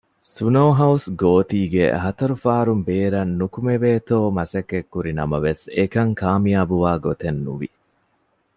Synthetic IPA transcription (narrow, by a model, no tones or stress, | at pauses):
sunowɦɐusɡoːt̪iːɡḛɦɐt̪ɐɾufaːɾumbeːɾɐnːukumeʋeːt̪oːmɐsɐkːekːuɾinɐ̰mɐʋesekɐŋkaːmijaːbuʋaːɡot̪enːṵʋḭ